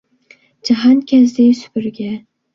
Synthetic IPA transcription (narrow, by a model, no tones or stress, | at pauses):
d͡ʒaɦankʲʰazd̪ajsʊ̥pɪɾɡʲa